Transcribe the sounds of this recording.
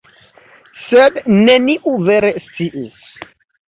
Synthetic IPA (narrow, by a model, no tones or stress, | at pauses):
sed̪neniʔuveɾestt͡siʔis